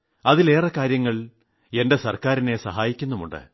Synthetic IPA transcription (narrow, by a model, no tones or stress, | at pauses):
ɐðile̞ːrɐkaːɾjɐŋːɐɭ | e̞nde̞sɐrkaːɾine̞sɐ̰ɦaːjikʲːunːumuɳɖɨ̰